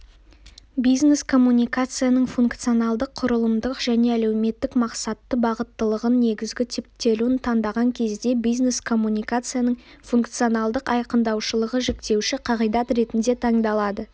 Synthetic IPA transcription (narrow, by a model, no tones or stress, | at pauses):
bijzne̞skʰo̞mːunʲijkat̪sɨjanəɴfuŋkt̪sɨjonɑlˠd̪əqʰːʊɾəlˠəmd̪əqʒ̥æne̞æle̞wme̞t̪ːɪkmɑqsɑt̪ːəbɑʁət̪ːəlˠəʁənːe̞ɡʲɪzɡʲɪt̪ʰɪp̚t̪ːe̞luɪnt̪ʰɑnd̪ɑʁɑŋkʲʰe̞zd̪e̞bijzne̞skʰo̞mːunijkat̪sɨjanəɴ | fuŋkt̪sijo̞nɑlˠd̪əqɑjqənd̪ɑwʃəlˠəʁəʒekt̪e̞wʃɪqʰɑʁijd̪ɑt̪ɾe̞t̪ɪnd̪e̞t̪ʰɑɴd̪ɑlˠɑd̪ə